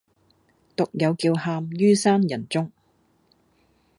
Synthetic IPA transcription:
t̪ʊ˨k̚jɐ˨˧wkiː˧whaː˧mjyː˥saː˥njɐ˨˩nt͡sʊ˥ŋ

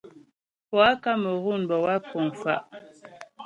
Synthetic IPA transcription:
pɔ˨a˦ka˦mə˨ɣu˦˨nbɔ˨wa˦ko˨ŋfa̰˦ʔ

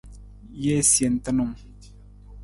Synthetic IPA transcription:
je˦˨sje˨n̩˨˦tə˦nu˨ŋ

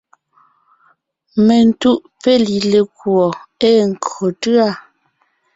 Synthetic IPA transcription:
me˨n̩˦tu˦ʔpe˦li˨le˨kwɔ˨e˦˨ŋ̩˨ko˨tɰa˦˨

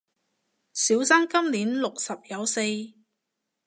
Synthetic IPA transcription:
siː˨˥wsaː˥nkɐ˥mliː˨˥nlʊ˨k̚sɐ˨p̚jɐ˨˧wse˧j

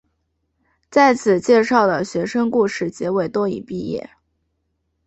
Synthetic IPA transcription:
t͡sa˥˩ɪt͡sʰɹ̩˨˩t͡ɕjɛ˥˧ʂɑ˥˩ʊlə˩ɕɥɛ˧˥ʂɤ˥ŋku˥˧ʂɻ̩˥˩t͡ɕjɛ˧˥we˨˩ɪt̪wɔ˥ḭ˨˩pi˥˧jɛ̰˥˩

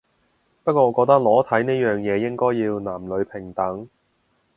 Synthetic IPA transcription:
pɐ˥t̚kʷɔː˧ŋɔː˨˧kɔː˧k̚t̪ɐ˥k̚lɔː˨˥t̪ʰɐ˨˥jneː˥jœː˨ŋjɛː˨˧jɪ˥ŋkɔː˥jiː˧wnaː˨˩mlɵ˨˧ɥpʰɪ˨˩ŋt̪ɐ˨˥ŋ

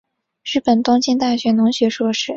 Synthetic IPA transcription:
ɻɻ̩˥˩pə˨˩nt̪ʊ˥ŋt͡ɕi˥nt̪a˥˩ɕɥɛ˧˥nʊ˧˥ŋɕɥɛ˧˥ʂwɔ˥ʂɻ̩˥˩

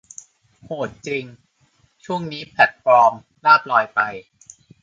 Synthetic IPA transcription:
hoː˨˩t̪̚t͡ɕi˧ŋ | t͡ɕʰu˥˩əŋniː˦˥pʰlɛ˨˩t̪̚fɔː˧m | laː˥˩p̚lɔː˧jpa˧j

